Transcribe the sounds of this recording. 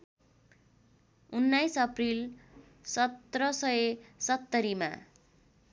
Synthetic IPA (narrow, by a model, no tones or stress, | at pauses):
unːajsʌpril | sʌt̪rʌsʌesʌt̪ːʌɾima̰